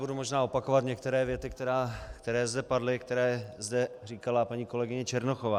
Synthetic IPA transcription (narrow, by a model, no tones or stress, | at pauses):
budumo̞ʒnaːo̞pakovat̪ɲɛkt̪ɛɾɛːvjɛt̪ɪk̚t̪ɛɾaːkt̪ɛɾɛːzdɛpadlɪkt̪ɛɾɛːzdɛriːkalapaɲiːko̞lɛɡɪɲɛt͡ʃɛɾnoxovaː